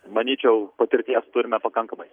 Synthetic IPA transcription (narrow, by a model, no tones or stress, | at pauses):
mɐnʲiːt͡ʃʲɛʊpɐt̪ʲɪɾʲt̪ʲiɛst̪ʊɾʲɪmʲɛpɐkɐŋkɐmɐɪ